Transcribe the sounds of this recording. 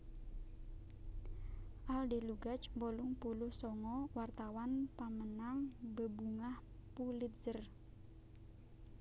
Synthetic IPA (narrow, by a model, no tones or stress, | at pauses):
ʔaldeluɡat͡ʃmbolʊŋpulʊhsɔŋɔwart̪awanpamənaŋbəbuŋahpulɪt̪̚z̥ər